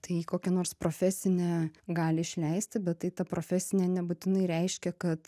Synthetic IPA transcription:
t̪ɐɪikoːkʲɛnoːɾspɾoːfʲɛsʲɪnʲɛːɡɑːlʲɪɪʃʲlʲɛɪsʲt̪ʲɪbʲɛt̪ːɐɪt̪ɐpɾoːfʲɛsʲɪnʲɛnʲɛbuːt̪ʲɪnɐɪɾʲɛɪʃʲkʲɛkɐt̪

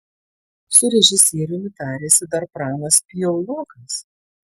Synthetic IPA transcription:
sʊɾʲɛʒʲɪsʲeːɾʲɪmʲɪt̪æːɾʲeːsʲɪd̪ɐɾpɾɑːnɐspʲɪjɔlˠoːkɐs

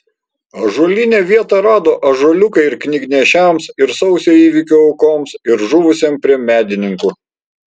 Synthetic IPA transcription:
ɐʒuɔlʲɪnʲeːʋʲiɛt̪ɑɾɑːd̪oːʔɐʒuɔlʲʊkɐɪɪɾknʲɪɡnʲɛʃʲæˑmsɪɾsɒʊsʲoːiːʋʲɪkʲoːʊkoːmsɪɾʒuʋʊsʲeːmpʲɾʲiɛmʲæːd̪ʲɪnʲɪŋkuː

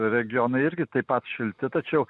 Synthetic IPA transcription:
ɾʲɛɡʲɪjoːnɐɪɪɾʲɡʲɪt̪ɐɪpɐt̪ʃʲɪlʲt̪ʲɪt̪ɐt͡ʃʲɛʊ

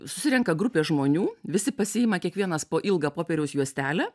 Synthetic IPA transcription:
sʊ̥sʲɪɾʲɛŋkɐɡɾʊpʲeːsʒmoːnʲuːʋʲɪsʲɪpɐsʲɪɪmɐkʲiɛkʋʲiɛnɐspoːʔɪlˠɡɑpoːpʲɛːɾʲɛʊsjuɔsʲt̪ʲæːlʲæː

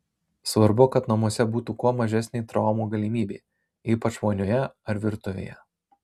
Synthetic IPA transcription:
sʋɐɾbʊkɐt̪nɐmuɔsʲɛbuːt̪uːkuɔmɐʒʲɛsʲnʲɛɪt̪ɾɐˑʊmuːɡɐlʲimʲiːbʲe | iːpɐt͡ʃmoːnʲʊjɛɐɾʋʲɪɾt̪ʊʋʲḛːjɛ

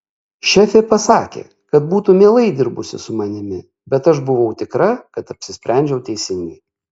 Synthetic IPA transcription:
ʃʲɛfʲeːpɐsɑːkʲḛː | kɐt̪̚buːt̪umʲeɛlˠɐɪd̪ʲɪɾbʊsʲɪ̰sʊmɐnʲɪmʲɪ | bʲɛt̪ɐʃbʊʋɐʊt̪ʲɪkɾɐkɐt̪ɐpʲsʲɪsʲpʲɾʲæˑnʲd͡ʒʲɛʊt̪ʲɛɪsʲɪŋʲɡɛɪ

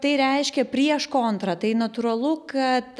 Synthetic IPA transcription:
t̪ɐɪɾʲɛɪʃʲkʲɛpʲɾʲiɛʃkont̪ɾɐt̪ɐɪnɐt̪ʊɾɐlˠʊkɐt̪

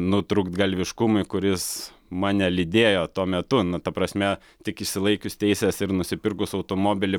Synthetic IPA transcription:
nʊt̪ɾukt̪ɡɐlʲʋʲɪʃkʊmʊɪkʊɾʲɪs | mɑnʲɛlʲid̪ʲeːjoːt̪uɔmʲɛt̪ʊnʊt̪ɐpɾɐsʲmʲɛ | t̪ʲɪkɪʃʲsʲɪlˠɐɪkʲʊst̪ʲɛɪsʲesɪrnʊsʲɪpʲɪrkʊsɐʊt̪oːmoːbʲɪlʲɪ

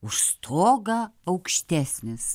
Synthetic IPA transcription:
ʊʃst̪ʰoːɡɐɐʊkʃʲt̪ʲæsʲnʲɪs

